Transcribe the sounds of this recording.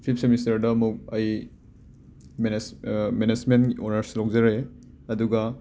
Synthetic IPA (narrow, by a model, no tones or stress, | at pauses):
pʰip̚ʰsemistɐɾdɐɐmuk̚ɐj | menmened͡ʒmenonɐɾsilawkd͡ʒɐɾe | ɐduɡɐ